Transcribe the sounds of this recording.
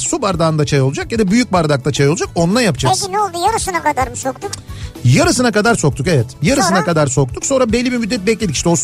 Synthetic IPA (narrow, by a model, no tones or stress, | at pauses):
subaɾd̪aːnd̪at͡ʃʰajolˠud͡ʒakjad̪abyjyk̚baɾd̪akt̪at͡ʃʰajo̞lˠud͡ʒako̞nunajapɯd͡ʒaainɛolˠd̪ujaɾɯsɯnakad̪aɾmɯsokt̪ukjaɾɯsɯnakad̪aɾso̞k̚t̪ʰukevɛt̪jaɾɯsɯnakad̪aɾso̞k̚t̪ʰukso̞nɾabelʲːibiɾmyd̪ːɛt̪̚bɛclʲed̪ii̥ʃt̪ɛos